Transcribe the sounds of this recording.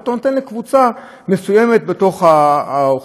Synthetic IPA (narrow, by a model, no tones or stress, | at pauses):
t̪onot̪enlekvut͡sa | mesujemet̪̚be̞to̞χao